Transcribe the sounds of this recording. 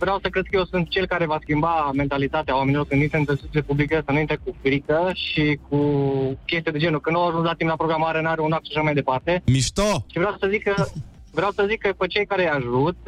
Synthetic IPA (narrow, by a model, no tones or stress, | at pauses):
vɾeawsəkɾe̞d̪̚kəje̞wsunt̪̚t͡ʃe̞lkaɾe̞vaskʲimbame̞nt̪alit̪at̪eawame̞nilo̞rkɨnint̪ɾent̪əsut̪lepublikəsənuint̪ɾekufɾikəʃikukʲe̞st̪ijad̪e̞d͡ʒe̞nukɨnd̪awaʒunslat̪implapɾoɡɾamaɾenuaɾeunakt̪ʃaʃamajd̪e̞part̪e̞miʃt̪oʃivɾeawsəzikːə | vɾeawsəzikːəpet͡ʃejkaɾeaʒut̪̚